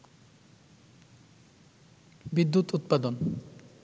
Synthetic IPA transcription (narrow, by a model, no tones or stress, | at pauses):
bid̪ːut̪ut̪̚pad̪on